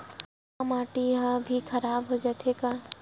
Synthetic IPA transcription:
maːʈiɦabʱikʰɐɾaːbɦod͡ʒaːt̪ʰekaː

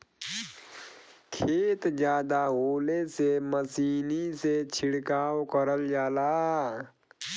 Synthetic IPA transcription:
kʰeːt̪d͡ʒjaːd̪aɦoːleseməsiːniset͡ʃʰɪɽkaːwkəɾəld͡ʒaːlaː

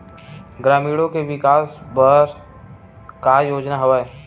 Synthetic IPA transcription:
ɡɾaːmiːɽõkeʋɪkaːsbəɾ | kajoːd͡ʒnaɦoʋae

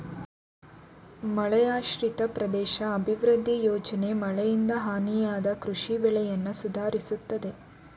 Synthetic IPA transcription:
mɐɭɛjaːʃɾit̪ɐpɾɐd̪ɛːʃɐːbʱiʋɾɨd̪ʱːijoːd͡ʒɐne̞mɐɭɛjind̪ɐɦaːnijaːd̪ɐkɾuʂibɛɭɛjɐnːusud̪ʱaːɾisut̪ːɐd̪e̞

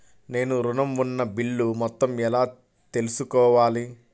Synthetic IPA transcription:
ne̞ːnuɾunɐmunːɐbiɭːumɔt̪ːɐmɛlaː | t̪e̞lusukɔːʋaːli

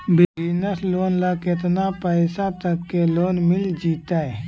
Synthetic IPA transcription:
bɪɪnəsloːnləkɪt̪napəɪsat̪əkːeloːnmɪld͡ʒiːt̪aɛː

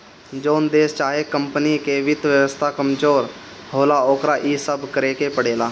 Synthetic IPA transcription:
d͡ʒoːnd̪eːst͡ʃaːɦeːkəmpəniːkeːʋɪt̪ʋjəʋəst̪ʰaːkəmd͡ʒoːɾ | hoːlaːoːkɾaːʔiːsəbkəɾeːkeːpəɽeːlaː

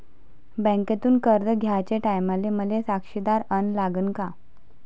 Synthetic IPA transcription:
bɛ̃ŋket̪uːnkəɾd̪əɡʱjat͡ɕeʈajmaleməlesakʂid̪aɾənlaɡənka

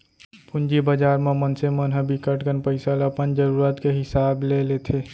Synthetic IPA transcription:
pʰʊnd͡ʒibəd͡ʒaːɾmemənsemənɦəbikəʈɡənpəɪsələpənd͡ʒəɾuːɾət̪keɦɪsaːblelet̪ʰe

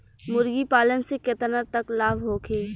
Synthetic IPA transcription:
mʊɾɡipaːlənseket̪ənəɾt̪ɐklaːbɦoːkʰeː

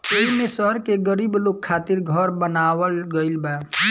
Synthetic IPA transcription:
eːimẽsəɾkeɡəɾiːbloːɡ̚kʰaːt̪ɪɾɡʱəɾbənaːwəlɡəɪlba

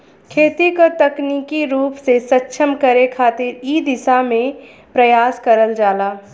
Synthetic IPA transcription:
kʰeːt̪ikot̪ɐkniːkiɾuːpsesɐtːʃʰəmkəɾekʰaːt̪ɪɾiːd̪ɪsamẽ | pɾɐjaːskɐɾəld͡ʒaːlaː

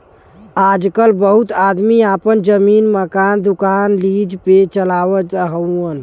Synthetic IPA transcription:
ad͡ʒkəlbəɦut̪ad̪miapənd͡ʒəminməkand̪ukanlid͡ʒpet͡ʃəlaʋəəɦəən

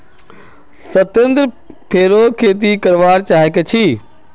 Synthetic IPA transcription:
sɐt̪ẽnd̪ɾ | pʰeːɾokʰeːt̪̬ikɐɾʋaːɾt͡ʃaːɦeket͡ʃʰiː

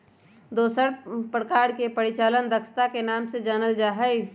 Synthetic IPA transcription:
d̪oːsəɾpɾəkaːɾkepəɾɪt͡ʃaːlənd̪əksə̥t̪akenaːmsed͡ʒaːnəld͡ʒaːɦə

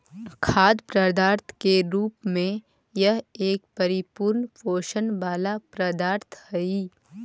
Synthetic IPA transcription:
kʰaːd̪pɾəd̪aːɾt̪ʰkeɾuːpmẽ | jɐɦeːk̚pɐɾɪpuːɾnfoːʃənbaːlapɾɐd̪aːɾt̪ʰhɐiː

